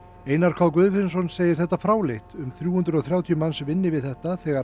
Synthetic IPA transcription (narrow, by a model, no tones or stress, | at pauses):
eːjnaɾ̥kʰvaːwk̬vʏːðfɪɾns̬ɔnseːjɪɾ̥θɛht̪ːafɾaːwleht̪ʏmθɾjuːhʏnt̪ɾʏɔwθɾjaːwt̪ʰiʏmansvɪnːɪvɪðθɛht̪aθɛːɣa